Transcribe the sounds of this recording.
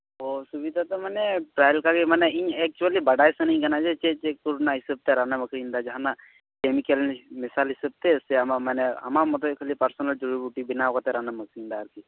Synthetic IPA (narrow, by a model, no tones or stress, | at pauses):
ɦosubid̪ʱat̪ɔmanɛʈɾajlkaɡimanɛiɲɛk̚t͡ʃualibaɖajsəniɲɡənad͡ʒɛt͡ʃet͡ʃekuɾunaɦisəb̚t̪eɾanaməkʰɾind̪ad͡ʒaɦana | kemikəlnmisalɦisəb̚t̪ɛseamamanɛa̰mamɔt̪ɔkʰəlipəɾsɔnəld͡ʒuɾubuʈibinawkɔt̪ɛɾanaməkʰɾind̪aːɾki